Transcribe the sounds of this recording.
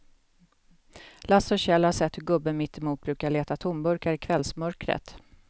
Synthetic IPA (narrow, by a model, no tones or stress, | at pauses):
lasɔɕɛlhaʂɛt̪ːhɵɾɡɵbːənmɪt̪ʰːɪmuːt̪̚bɾʉ̟ːkaɭeːt̪at̪ʰʊmbɵɾkaɾɪkʰvɛlsmœɾkɾə̰t̪